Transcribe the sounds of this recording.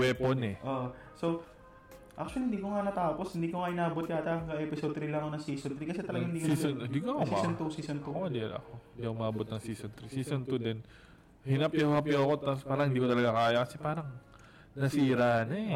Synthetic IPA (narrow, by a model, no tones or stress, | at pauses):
wɛponɛʔoːʔo | so̞ | ʔa̰k̚t͡ʃʊɐlihɪnd̪iːkoŋanɐt̪aːpo̞shɪnd̪iːkoŋaʔɪnaːbot̪jat̪akɐŋkɐʔɛpɪsod̪t̪ɾilɐŋonɐsiːsont̪ɾikɐsɛt̪ɐlɐɡaŋɪnd̪ikiːsonnd̪iːkoɐʊsmiaːsont̪usiːsont̪uɐd̪ɛlɐ̰koɪ̃nd̪ikʔʊmaːbot̪̚nɐŋsiːsont̪ɾisiːsont̪ud̪ɛn | hinɐpjohɐpjoko̞t̪apspaːɾɐŋhɪnd̪iːkot̪ɐlɐɡakaːjɐkɐsɛpaːɾɐŋ | nɐsiːɾano